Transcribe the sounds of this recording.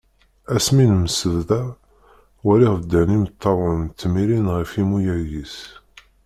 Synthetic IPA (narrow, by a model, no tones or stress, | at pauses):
æsminməsəððæ | wæɾiʁðəd̪ːænimt̪ʰːɑɾˤəmt̪ːmiɾinʁifimujæjis